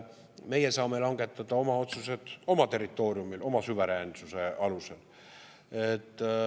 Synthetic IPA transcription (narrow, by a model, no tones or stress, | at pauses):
me̞jesɑːme̞lɑŋɡ̥e̞t̪ːˑɑd̪̥ɑo̞mɑo̞t̪suse̞d̪̥o̞mɑt̪e̞rit̪ːˑo̞ːɾiumilʔo̞mɑsuve̞ɾensuse̞ɑluse̞l | et̪ːˑ